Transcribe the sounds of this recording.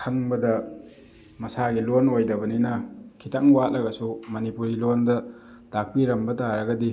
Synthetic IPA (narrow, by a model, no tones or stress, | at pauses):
kʰɐŋbɐdɐ | mɐsaɡilonojdɐbɐninɐkʰitaŋwat̚lɐɡɐsumɐnipuɾilondɐ | d̥ak̚piɾɐmbɐtaɾɐɡɐdi